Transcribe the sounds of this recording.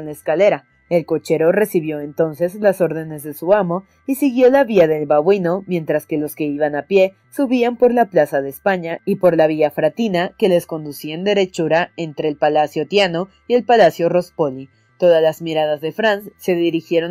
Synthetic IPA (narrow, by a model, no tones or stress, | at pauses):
nlaeskale̞ɾa | e̞lko̞t͡ʃe̞ɾo̞re̞siβjo̞ent̪o̞nse̞zlaso̞ɾðe̞ne̞zðe̞suamo̞ | isiɣjo̞laβiaðe̞lβaβwino̞mjẽ̞nt̪ɾaske̞lo̞ske̞iβanapje̞ | suβiampo̞ɾlaplasaðeːspaɲaipo̞ɾlaβ̞iʝafɾat̪inake̞le̞sko̞nd̪usiend̪e̞ɾe̞t͡ʃuɾae̞nt̪ɾe̞ːlpalasjo̞t̪jano̞ | ie̞lpalasjo̞ro̞spo̞li | t̪o̞ðalazmiɾaðazðe̞fɾansːe̞ðiɾixje̞ɾo